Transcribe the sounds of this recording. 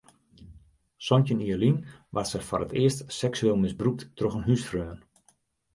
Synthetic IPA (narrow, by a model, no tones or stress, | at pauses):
sɔncəniəlinʋasəfɔrətɪəstsɛksyeːlˠmɪzbruk̚tːroxənɦysfrøːən